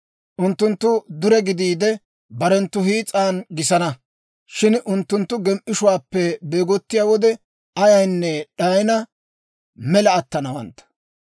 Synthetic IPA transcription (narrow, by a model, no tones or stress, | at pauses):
ʔʊnt̪ːʊnt̪ːʊd̪ʊɾɛɡɪd̪iːd̪ɛ | bɐɾɛnt̪ːʊɦiːt͡sʼaːnɡɪsɐnɐ | ʃɪnʔʊnt̪ːʊnt̪ːʊɡɛmʔɪʃʊwaːpːɛbe̞ːɡɔt̪ːɪjaːwɔd̪ɛ | ɐjɐjnːɛɗajɪnɐ | mɛlɐːt̪ːɐnɐwɐ̰nt̪ːɐ̥